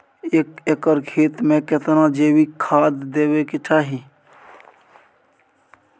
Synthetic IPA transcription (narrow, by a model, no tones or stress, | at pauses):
ekekəɾkʰeːt̪mẽket̪nad͡ʒeːwikʰaːd̪ːeːwekɪʈʰaːɦi